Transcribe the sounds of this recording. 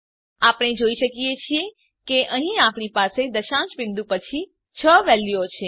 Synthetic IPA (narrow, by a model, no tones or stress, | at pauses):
apɽ̃ed͡ʒoiʃəkijet͡ʃʰie | keʔəɦĩapɳipased̪əʃãt͡ʃbĩnd̪ũpət͡ʃʰi | t͡ʃʰəʋɛljot͡ʃʰe